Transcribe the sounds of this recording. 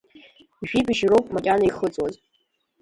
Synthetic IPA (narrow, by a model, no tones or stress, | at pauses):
iʒᶣibɨʒrowpʼmakʲʼanaiχət͡sʼwaz